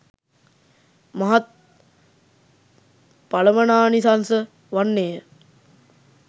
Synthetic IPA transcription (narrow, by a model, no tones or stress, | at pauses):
maɦat̪̚ | paləmənaːnisansə | ʋanːejə